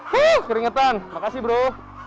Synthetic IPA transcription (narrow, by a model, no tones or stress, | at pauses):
huhkəɾiŋət̪anmakasɪbəɾo